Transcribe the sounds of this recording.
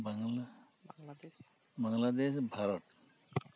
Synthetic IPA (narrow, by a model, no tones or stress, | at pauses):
baŋ | bəŋɡlad̪eɕbʱaɾət̪